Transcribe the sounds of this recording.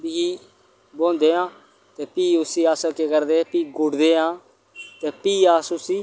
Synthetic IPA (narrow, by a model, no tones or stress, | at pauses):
biiː | bõːnd̪eːãː | t̪eːpiːʊsiːaːsəlkeːkəɾd̪eːpiːɡʊɽd̪eːãː | t̪eːpiːaːsʊsiː